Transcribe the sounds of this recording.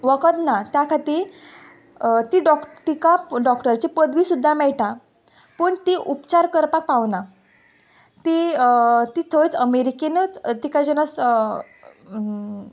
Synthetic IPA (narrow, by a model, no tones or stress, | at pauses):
ʋəkət̪nat̪jakʰat̪i | t̪iːɖɔkt̪ikaɖɔkʈəɾt͡ɕepəd̪ʋiːsud̪ʱːamɛɭʈa | pəːɳt̪iʔupt͡ɕaɾkəɾpak̚paʋna | t̪i | t̪iːt̪ʰəʋit͡səmeɾikenət͡st̪ikad͡ʑənas